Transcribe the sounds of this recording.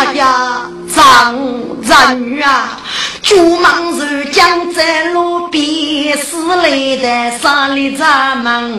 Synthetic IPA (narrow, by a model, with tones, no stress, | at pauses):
ja˨ | d͡za˨ŋ˨d͡za˨ɲy˨a˨ | t͡ɕu˥˨ma˥˨ŋzø˩˨ca˥ŋt͡sɛ˥nlo˥pi˨sɨ˥˨le˨t̪ɛ˨sa˥ŋli˨d͡za˥ma˩˨ŋ